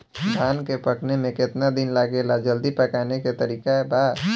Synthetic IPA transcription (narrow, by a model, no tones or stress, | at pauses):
d̪ʱaːnkepəʈʰnemẽkɪt̪nad̪ɪnlaɡelad͡ʒəld̪ipəkaːneket̪əɾiːkaeba